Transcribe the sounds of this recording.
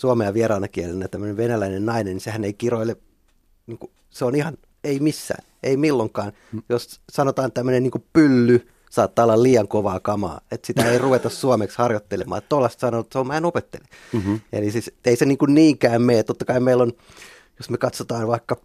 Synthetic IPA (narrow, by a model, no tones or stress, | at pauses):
suɑmeɑʋierɑːnɑkielenːæjt̪æmːøneʋʋenælæinennɑinenisehæneikiroile | niːŋku | seonihɑn | eimisːæ̰ːn | eimilːoŋkɑːn | jossɑnot̪ɑːnt̪æmːønenniːŋkupylːy | sɑːt̪ːɑːolːɑlliːɑŋkoʋɑːkɑmɑ̰ːet̪sit̪æeiruʋet̪ɑssuomekshɑrjot̪ːelemɑ̰ːet̪t̪olːɑst̪sɑnot̪seommæenopet̪ːḛleḛlisiːseiseniːŋkunniːŋkæːmmeːt̪ot̪ːɑkɑimmeilon | josmekɑt̪sot̪ɑːnʋɑikːɑ